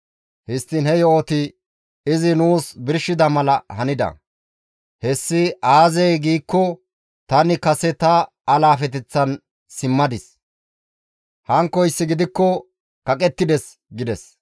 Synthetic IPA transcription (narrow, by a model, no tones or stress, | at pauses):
hɪst̪ːɪnhɛjoːt̪ɪ | ɪzɪnuːsbɪɾʃɪd̪ɐmɐlɐhɐnɪd̪ɐ̰ | hɛsːɪaːzɛjɡiːkːɔ | t̪ɐnɪkɐsɛt̪ɐː | laːfɛt̪̬ɛt͡sːɐn | sɪmːɐd̪ɪs | hɐŋkːɔjsːɪɡɪd̪ɪkːɔ | kɐkʼɛt̪ːɪd̪ɛs | ɡɪd̪ɛs